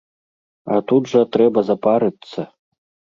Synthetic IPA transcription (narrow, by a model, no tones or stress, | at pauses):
at̪ud̪ʐɐt̪ɾɛbɐzapaɾɨt̪sːɐ